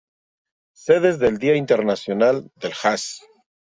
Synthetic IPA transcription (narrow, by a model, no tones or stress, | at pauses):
seð̞ezðe̞ld̪iaint̪eɾnasjonald̪elxas